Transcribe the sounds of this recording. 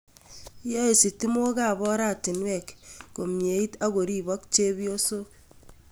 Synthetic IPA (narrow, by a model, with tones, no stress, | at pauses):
jo˦e˨si˨ti˦mo˦ka˦˨bɔ˦ɾa˦˨ti˨nwe˨kko˨mje˨˦i˦ta˦ɡo˨ɾi˦˨bɔ˦k̚t͡ʃe˦βi˦o˦so˦